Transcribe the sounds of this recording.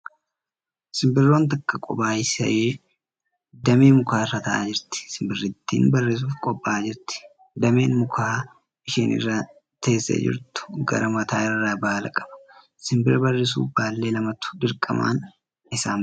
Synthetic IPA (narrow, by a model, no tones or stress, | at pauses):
sɪmbɪrːo̞ːnt̪̬ɐkːɐkʼɔ̰baːjɪsɐ̰ʔeː | d̪ɐmeːmʊkaːɪrːaːt̪ɐʔaːd͡ʒɪɾt̪ɪ̥sɪmbɪrːɪt̪ːḭːnbɐrːe̞ːs̬uːfkʼɔbʼːaːd͡ʒɪɾt̪ɪ̥ | d̪ɐme̞ːnmʊkʰaː | ɪʃiːnɪ̰rːaː | t̪eːsːḛːd͡ʒɪ̰ɾt̪ʊ̥ɡɐ̰ɾɐmɐt̪aːɪrːaːbaːlɐkʼɐ̥b̥ɐ̥ | sɪmbɪɾɐbɐrːɪs̬ṵːbaːlːe̞ːlɐmɐt̪ʊ̥d̪ɪɾkʼɐ̰ma̰ːn | ɪsaːm